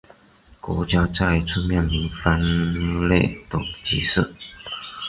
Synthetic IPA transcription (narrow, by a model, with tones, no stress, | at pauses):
kwɔ̰˧˥t͡ɕja˥t͡sa˥˧i˧˥˩t͡sʰu˥˧mjɛ˥˩nli˧˥nfa˥nle˥˩ɪt̪ʊ˨˩ŋt͡ɕi˧˥sɹ̩˥˩˨